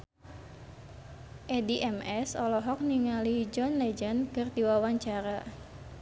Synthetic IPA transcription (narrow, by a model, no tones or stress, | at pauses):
ʔediʔɛmɛsɔlɔɦɔk̚niŋalid͡ʒɔnled͡ʒənkɨrd̪iwawaɲt͡ʃaɾa